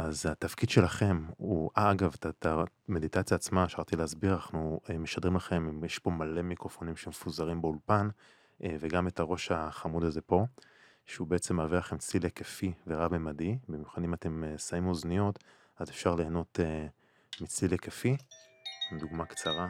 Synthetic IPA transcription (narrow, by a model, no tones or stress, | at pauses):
azhat̪afkid̪ʃe̞laχe̞muʔaaɡavtatame̞d̪it̪at͡sjaːt͡smaefʃaʁt̪ileazbiʁanaχnuemeʃad̪ʁimlaχe̞mimjeʃpo̞male̞mikʁofo̞nimʃeemfuzaʁimbeulpan | eveɡame̞tʰaʁo̞ʃhaχamudaze̞po̞ | ʃeubeet͡se̞mːaːviʁlaχe̞mt͡slilekefiveʁabemadibimjuχadimat̪e̞mesaimoznijo̞t | azefʃaʁle̞ːno̞t̪e | mit͡slilekefi | imd̪uɡmakt͡saʁa